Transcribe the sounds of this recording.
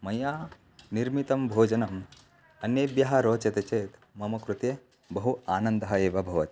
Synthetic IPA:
mɐjaː | niɾmit̪ɐmbʱoːd͡ʒɐnɐm | ɐnjeːbjɐɦɐɾoːt͡ʃɐt̪et͡ʃeːt̪mɐmɐkɾut̪e | bɐɦuaːnɐnd̪ɐɦɐeːʋɐbʱɐʋɐt̪

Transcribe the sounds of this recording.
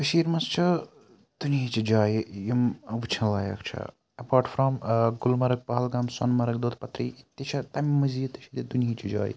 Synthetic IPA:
kɨʃiːɾmɐst͡ʃʰɐ | d̪̥uniit͡ʃid͡ʒaːjjimʋut͡ʃʰɐnlaːjɐ̰kt͡ʃʰɐ̰ | ɐpaːɾʈfɾɔmɡulmɐɾɐk̚pɐɦɐlɡaːmsɐ̰nmɐɾɐkd̪oːt̪pɐt̪ɾḭt̪it͡ʃʰɐt̪ɐmmɐzit̪it͡ʃʰit̪id̪uniit͡ʃʰid͡ʒa̰ːj

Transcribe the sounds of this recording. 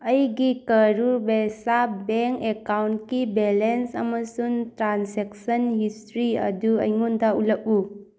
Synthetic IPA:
ɐjɡikɐɾubesabeŋkekawntkibelensɐmɐsuŋtɾansek̚sɐnhistɾiɐ̰duɐ̰jŋundaulɐk̚u

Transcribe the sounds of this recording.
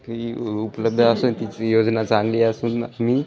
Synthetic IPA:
iupləb̚d̪ʱəsuːnt̪it͡sjod͡znat͡saŋɡliːəsuːnmiː

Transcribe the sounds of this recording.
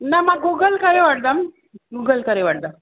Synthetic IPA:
namaɡuɡəlkəɾeʋaʈ̚d̪am | ɡuɡəlkəɾeʋaʈ̚d̪am

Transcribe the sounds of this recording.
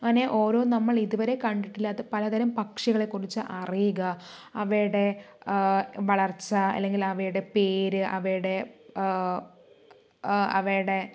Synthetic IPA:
ɐneʔo̞ːɾo̞ːnɐmːɐɭiðuʋɐɾe̞kɐɳɖiʈːilːɐːðɨpɐlɐd̪ɐɾɐmpɐkʂɐɣɐɭe̞kːurit͡ɕːɨʔɐrijuɣɐːʋɐjuɽe̞ | ʋɐɭɐrt͡ɕːɐɐ̰lːe̞ŋɡilɐʋɐjuɽe̞peːɾɨʔɐ̰ʋɐjuɽe̞ | ɐ̰ʋejuɽe̞

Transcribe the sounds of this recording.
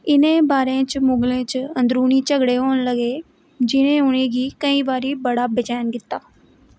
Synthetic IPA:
ɪnẽːbaːɾẽːt͡ʃmʊŋɡlẽːt͡ʃənd̪ɾuːniːt͡ʃəɡɽeːɦoːnləɡeː | d͡ʒɪnẽːʊnẽːɡiːkəĩːʋaːɾiːbəɽaːbɪd͡ʒɛːnkɪt̪ːaː

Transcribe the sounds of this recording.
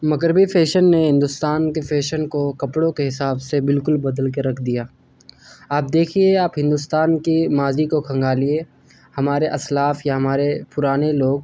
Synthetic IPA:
mɐɣɾɪbifʰeːʃənːeɦɪ̃nd̪ʊst̪aːnkefʰeːʃənkokɐpɽõkeɦɪsaːbsebɪlkʊlbɐd̪əlkeɾɐkʰd̪ijaː | aːp̚d̪eːkʰieaːpɦɪ̃nd̪ʊst̪aːnkimaːzikokʰɐ̃ŋɡaːlie | hɐmaːɾeʔɐslaːfjaɦɐmaːɾepʊɾaːneloːɡ̚

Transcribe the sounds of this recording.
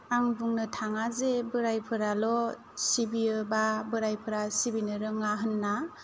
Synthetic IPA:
aŋbuŋnɯtʰaŋazebɯɾajpʰɯɾalɔ | sibiɯbabɯɾajpʰɯɾasibinɯɾɯŋaɦɯnːa

